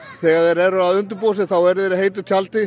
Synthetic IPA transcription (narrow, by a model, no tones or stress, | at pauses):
θɛɣaɾɛɾɛɾʏaðʏnt̪̬ʏɾpoːwsɪθawɛɾðɪɾɪɦeːjt̪̬ʏt̪ʰjalt̪ɪ